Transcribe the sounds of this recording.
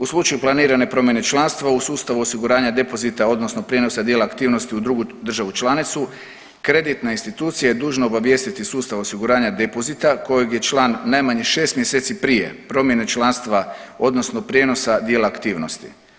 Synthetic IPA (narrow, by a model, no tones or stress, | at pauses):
uslˠut͡ʃajuplˠaniːɾane̞pɾo̞mje̞ne̞t͡ʃlˠanst̪ʋausuːst̪aʋuosiɡuɾaːɲad̪e̞po̞zit̪ao̞d̪no̞snopɾjeːno̞sad̪jelaːkt̪iːʋno̞st̪iud̪ɾuɡud̪r̩ʒaʋut͡ʃlˠanit̪su | kɾe̞d̪it̪nainst̪it̪uːt̪sijajed̪uːʒnoobaʋje̞st̪it̪isuːst̪aʋo̞siɡuɾaːɲad̪e̞po̞zit̪ako̞jeɡje̞t͡ʃlaːnːajmaɲiʃe̞ːst̪mje̞seːt̪sipɾije̞̰pɾo̞mje̞net͡ʃlˠanst̪ʋao̞d̪nosno̞pɾje̞no̞sad̪jelaːkt̪iːʋno̞st̪i̥̰